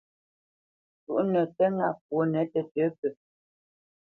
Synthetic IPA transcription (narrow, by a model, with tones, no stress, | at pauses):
tṵ˨ʔnə˨tə˦ŋa˦˨p̚wo˨˦nɛ˨˦tə˨tə˨˦pə˨